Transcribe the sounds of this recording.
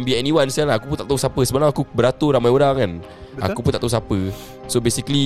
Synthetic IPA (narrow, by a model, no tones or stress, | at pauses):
mbiɛniwansalaakupunt̪aʔt̪ausapəsəbənãŋakubəɾat̪uɾamajoɾaŋkan | a̰kupunt̪aʔt̪ausapə | sobesikli